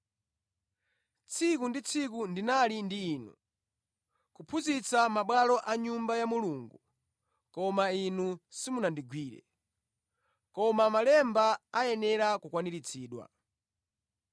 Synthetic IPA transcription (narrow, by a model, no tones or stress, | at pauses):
t͡sʰikundit͡sʰik̬undinalindiːnṵ | kupʰuzit͡samaɓwalɔʔaɲumbajamuluŋɡu | kɔmainusimunandiɡwiːɾɛ̰ | kɔmamalɛmbaajɛnɛɾakukwaniɾit͡sʰiːɗwa̰